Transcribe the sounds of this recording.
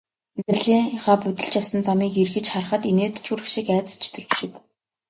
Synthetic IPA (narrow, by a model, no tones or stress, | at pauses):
t͡sɘ̆rɮiːŋχaːput̪ɘ̆ɬt͡ɕjawsə̆nt͡samiːkirɣɘ̆t͡ɕχar̆χə̆t̪eneːt̪ʰt͡ɕʰuɾɘ̆xʃikæːt͡sə̥̆st͡ɕʰt̪ʰɵ̆ɮt͡ɕʃɪ̆k